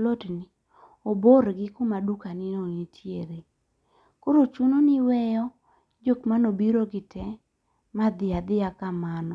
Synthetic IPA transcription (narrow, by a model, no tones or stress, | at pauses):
lotni | oboɾɡɪkʊmadukanɪnonitʰjeɾe | koɾot͡ʃunonɪwɛjɔ | d͡ʒokmanobiɾoɡɪtʰɛ | mad̪ɪad̪ɪakamanɔ